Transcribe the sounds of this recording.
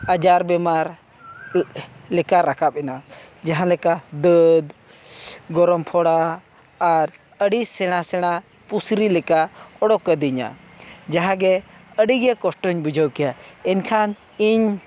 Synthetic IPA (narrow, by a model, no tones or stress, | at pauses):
ad͡ʒaɾbɛmaɾ | lɛkaɾakʰap̚ɛna | d͡ʒaɦãlɛkad̪əd̪ | ɡɔɾɔmpʰɔɽaː | ɾ | əɽisɛɽ̃asɛɽ̃a | pusɾilɛkaɔɽɔkːəd̪iɲa̰ | d͡ʒaɦãɡɛəɽiɡɛkɔsʈɔɲbud͡ʒʱəwkɛjaɛnkʰan | iɲ